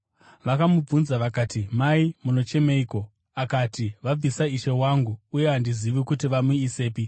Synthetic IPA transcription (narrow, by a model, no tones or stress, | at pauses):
ʋakamub͡vunzaʋakaːtimaimuno̞t͡ʃe̞me̞iko̞ | akatiʋab͡visaiʃe̞waŋɡuuje̞ɦandiziʋikutiʋamuise̞ːpi